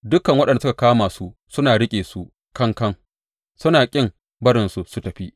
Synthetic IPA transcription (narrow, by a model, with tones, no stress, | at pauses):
dʊ˦kɐ˨ŋwɐ˦ɗɐ˨ndsʊ˦ka˨kaː˦maː˨su˦sʊ˦naː˨ɽɪ˦kʲʼeː˨su˦ʔ | kɐ˦ŋkɐ˦ŋ | sʊ˦naː˨kʲʼɪ˦m | bɐ˦ɾɪ˨nsu˨su˦tɐ˨ɸi˦ʔ